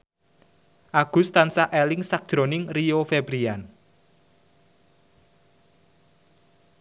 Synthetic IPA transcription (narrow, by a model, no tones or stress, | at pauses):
ʔaɡ̥ʊ̤st̪ansaʔelɪŋsak̚d̥ʒ̥ɾo̤nɪŋriofebɾian